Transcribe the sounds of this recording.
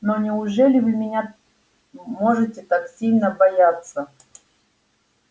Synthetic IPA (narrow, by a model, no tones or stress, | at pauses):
nonʲɪʊʐɛlʲɪvɨmʲɪnʲa | moʐɨtʲɪt̪aksʲilʲnəbɐjat̪sə